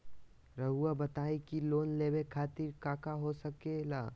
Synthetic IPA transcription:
ɾəɦuabɐt̪aːekiloːnleːbekʰaːt̪iɾkaːkaɦosəkelaː

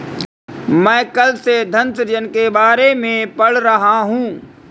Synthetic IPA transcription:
mɛ̃ːkɐlsed̪ʱɐ̃nt̪ɾd͡ʒənkebaːɾemẽpɐɽ̤ɾɐɦaɦũː

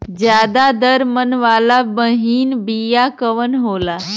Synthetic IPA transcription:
d͡ʒjad̪ad̪əɾmənʋalabəɦiːnbijakəʋənɦola

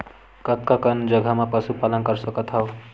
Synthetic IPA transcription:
kʌt̪kakʌnd͡ʒʌɡʱamapʌsupalənkʌɾsʌkʌt̪ɦʌw

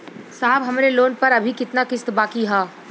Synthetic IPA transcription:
saːɦbɦɐmɾeloːnpɐɾɐbʱikɪt̪nakɪst̪baːkiɦaː

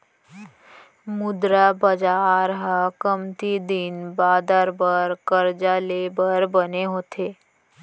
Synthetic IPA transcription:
mʊd̪ɾabəd͡ʒaːɾɦəkəmt̪id̪inbaːd̪aɾbəɾkəɾd͡ʒalebəɾbəneɦoːt̪ʰeː

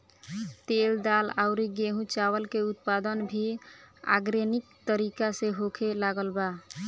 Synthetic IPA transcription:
t̪eld̪alaʊɾiɡeɦũt͡ʃawəlkeut̪pad̪ənbʱia̰ɡɾenik̚t̪əɾikaseɦokʰelaɡəlba

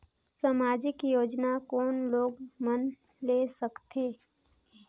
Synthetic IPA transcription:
samaːd͡ʒɪkjoːd͡ʒnakɔːnloːɡmən | leːsəkt̪ʰeː

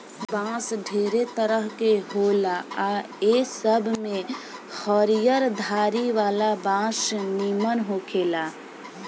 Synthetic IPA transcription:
bãːsɖʱeːɾet̪əɾəɦkeɦolaa | esəbʱmẽxɔɾijəɾd̪ʱaːɾiʋaːlabãːsnimənɦokʰeːla

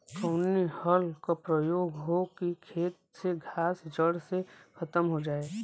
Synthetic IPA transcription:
kɔːnːihəlkapɾəjoːɡɦokikʰeːt̪̚seɡʱaːsd͡ʒəɽsekʰɐt̪əmɦod͡ʒaːeː

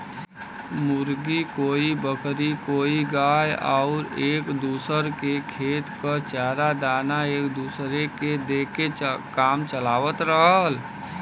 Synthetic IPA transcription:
mʊɾɡikoːibəkɾikoːiɡaːjaʊɾeːkd̪uːsəɾkekʰeːt̪kət͡ʃaːɾad̪aːnaeːkd̪uːsɾeked̪eːkekaːmt͡ʃəlaːʋət̪ɾəɦəl

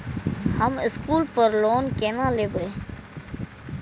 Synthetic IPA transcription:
hɐmɪskuːlpəɾloːnkeːnãːleːbe

